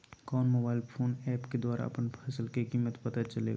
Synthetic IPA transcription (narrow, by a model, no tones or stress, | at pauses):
kɔːnmoːbaːɪlpʰoːnɛːpked̪waːɾa̰ɐ̰pənpʰɐsəlkekiːmːət̪pɐt̪at͡ʃəlḛːɡa